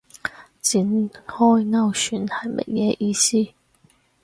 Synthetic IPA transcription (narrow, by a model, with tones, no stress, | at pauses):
t͡si˨˥nhɔː˥˩jnɐ˥˧wsyː˨˥nhɐ˨˩jmʔɐ̰˨˩k̚jɛː˨˧˥ʔiː˧siː˥